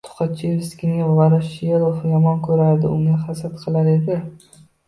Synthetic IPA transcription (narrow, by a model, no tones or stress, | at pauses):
t̪ʰʊ̥χɑt͡ʃʰiɪskʲʰɪŋevlˠaɾaʃelˠofjɒmɒnkʰɵɾaɾd̪ɪʊŋɡʲaχasat̪qʰɨlˠaɾe̞d̪ɪ